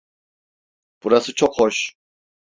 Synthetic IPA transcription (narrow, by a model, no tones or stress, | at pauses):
b̥uɾasɯt͡ʃʰokhoʃ